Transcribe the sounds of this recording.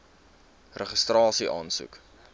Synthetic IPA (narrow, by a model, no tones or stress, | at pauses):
rəχəstrɑːsiʔɑːnsṵk